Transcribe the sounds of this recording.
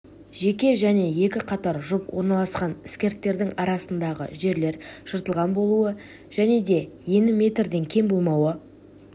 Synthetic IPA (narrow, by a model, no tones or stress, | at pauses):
ʒe̞kʲe̞ʒæne̞je̞kʲɪqʰɑt̪ɑɾʒʊpwo̞̰ɾnɑlˠɑsqɑnɪ̥skʲe̞ɾt̪ːe̞ɾd̪ɪŋɑɾɑsənd̪ɑʁə̰ʒe̞ɾle̞ɾʒ̥əɾt̪əlˠʁɑnbo̞lˠuə | ʒ̥æne̞d̪e̞je̞nɪmʲe̞t̪rd̪e̞ŋkʲʰe̞ŋbo̞lˠmɑwə